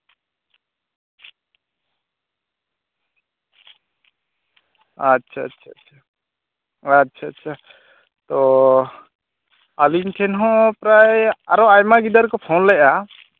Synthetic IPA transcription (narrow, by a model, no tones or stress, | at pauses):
atːt͡ʃʰaa̰tːʰatʰa | atːt͡ʃʰaːt͡ʃʰa | t̪ɔ | alinʈʰɛnɦɔ̃pɾajaɾɔajmaɡid̪aɾkɔpʰɔnlɛʔa